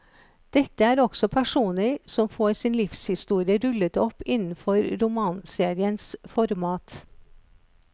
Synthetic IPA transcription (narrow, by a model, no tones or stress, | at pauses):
d̪̥ɛt̪ːəæːɾɔɡ̥sɔpʰæʂuːnəɾsɔmfoːɾsiːnlɪfshɪst̪uːɾɪəɾʉlət̪ɔpɪnn̩fɔɾɾʊmɑːnseːɾɪənsfɔɾmɑːt̪